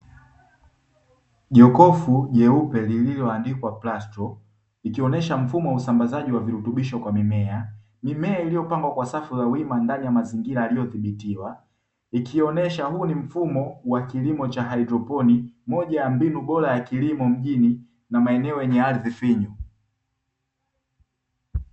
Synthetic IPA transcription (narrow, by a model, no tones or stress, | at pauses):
ʄɔkɔfuʄɛupɛlililɔandikwaplastɔ | ikiɔnɛʃam̩fumɔusambazaʄiwaviɾutuɓiʃɔkwamimɛa | mimɛailijɔpaŋɡwakwasafuzawimandanijamaziŋɡiɾaalijɔθiɓitiwa | ikʰiɔnɛʃahuːnim̩fumɔwakilimɔt͡ʃaɦaidɾɔpɔnimɔʄajambinuɓɔɾajakilimɔm̩ʄini | namaɛnɛɔjɛɲɛaɾðifiɲu